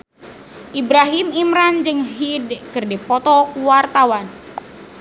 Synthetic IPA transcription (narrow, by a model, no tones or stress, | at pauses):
ʔibɾaɦimimɾand͡ʒɨŋɦidkɨrdipɔt̪ɔkuwart̪awan